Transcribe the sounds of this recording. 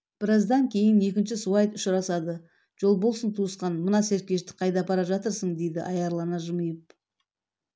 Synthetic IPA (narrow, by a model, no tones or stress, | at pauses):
b̥ɪɾɑzd̪ɑŋkʲʰe̞jɪne̞kʲɪnʃɪsuwɑjt̪ʊʃɾɑsɑd̪ə | ʒ̥o̞lˠbolˠsənt̪ʰuəsqɑnmənɑse̞ɾkʲe̞ʃt̪ɪ̥qʰɑjd̪ɑpʰɑɾɑʒɑt̪əɾsəɴd̪e̞jd̪ɪʔɑjɑɾlˠɑnɑʒʊməjəp̚